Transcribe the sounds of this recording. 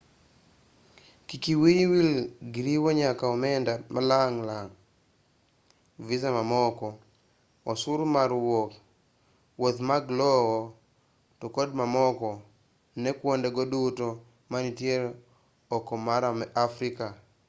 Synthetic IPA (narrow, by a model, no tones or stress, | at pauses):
kikiwijwilɡiɾiwoɲakaɔmɛndamalaŋlaŋ | vizamamɔkɔ | ɔsʊɾmaɾwok | wot̪maɡlɔwɔ | tokodmamɔkɔ | nɛkwondɛɡɔduto | manitjeɾ | ɔkɔmaɾamɛʔafɾika